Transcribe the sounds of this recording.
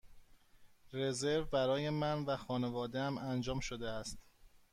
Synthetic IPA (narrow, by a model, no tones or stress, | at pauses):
re̞zeɾvbæɾɒːje̞mænvæxɒːne̞vɒːd̪eæmænd͡ʒɒːmʃod̪eæst̪